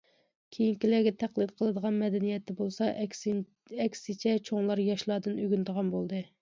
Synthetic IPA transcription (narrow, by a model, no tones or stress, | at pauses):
kʲʰejiŋkʲilæɡʲɛt̪ʰæqlˠɨd̪qʰəlˠɨd̪əʁɑnmɛd̪ɛnijɛt̪ʰːɛbolˠsɑʔʲ | ɛkʲsɪt͡ʃʰɛt͡ʃʰoŋlˠɑɾjɑʃlˠɑd̪ɨnøɡʲynt̪əʁɑnbolˠd̪ɨ